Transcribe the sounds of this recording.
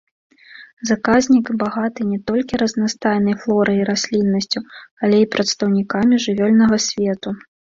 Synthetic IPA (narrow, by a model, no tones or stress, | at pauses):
zakazʲnʲikbaɣat̪ɨnʲɛt̪ɔlʲkʲiɾɐznast̪ajnɐjflˠɔɾɐjiɾasʲlʲinːɐsʲt͡sʲualʲɛipɾɐt̪st̪ɐwnʲikamʲiʐɨvʲɔlʲnɐɣɐsʲvʲɛt̪u